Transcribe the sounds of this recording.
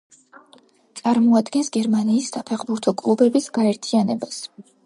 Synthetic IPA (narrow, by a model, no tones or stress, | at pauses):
t̪sʼaɾmɔad̪ɡɛnsɡɛɾmaniːsːapʰɛχbuɾt̪ʰɔkʼlˠubɛbisɡaɛɾt̪ʰianɛbas